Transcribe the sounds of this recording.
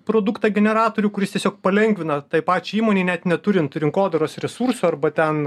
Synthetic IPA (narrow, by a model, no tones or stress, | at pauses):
pɾoːd̪ukt̪ɑɡʲɛnʲɛɾɑːt̪oːɾʲuːkʊɾʲɪst̪ʲɛsʲoːk̚pɐlʲɛŋʲɡʋʲɪnɐt̪ɐɪpɑːt͡ʃʲuiːmoːnʲeːnʲɛt̪nʲɛt̪ʊɾʲɪnt̪ɾʲɪŋkoːd̪ɐɾoːsɾʲɛsuːɾsʊɐrbɐt̪ʲɛn